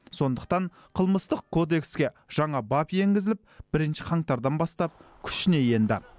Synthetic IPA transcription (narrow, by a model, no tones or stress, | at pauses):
so̞nd̪əqt̪ɑɴ | qʰəlˠməst̪əqkʰːo̞d̪e̞kskʲe̞ | ʒ̥ɑɴɑbɑpje̞ŋɡʲɪzɪlɪp̚b̥ɪɾɪnʃɪqʰɑŋt̪ɑɾd̪ɑnbɑst̪ɑp̚kʲʰʏ̥ʃɪne̞je̞nd̪ɪ̰